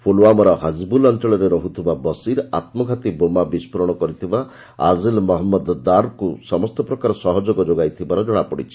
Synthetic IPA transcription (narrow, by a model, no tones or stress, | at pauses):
fʰuloamɔɾɔɦad͡ʒbulɔnt̪ɔɭɔɾeɾɔɦut̪ʰibabɔsiɾat̪mɔɡʱat̪ibomabispɔɾɔɽ̃ɔkɔɾit̪ʰiba | a̰zilmɔɦɔmːɔd̪d̪aɾkusɔmɔst̪ɔpɾɔkaɾɔsɔɦɔd͡ʒoɡɔd͡ʒoɡajt̪ʰibaɾɔd͡ʒɔɽ̃apɔɽit͡ʃʰi̥